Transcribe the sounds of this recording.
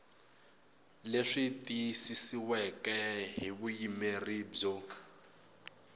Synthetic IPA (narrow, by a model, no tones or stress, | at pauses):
leʂit̪ʼisisiwɛkɛɦiβujimeriːb͡ʐɔ